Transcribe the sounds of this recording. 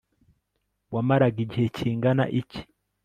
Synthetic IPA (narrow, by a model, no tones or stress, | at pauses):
wamaɾaɡiɟihecʰiːŋɡana̰ʔici̥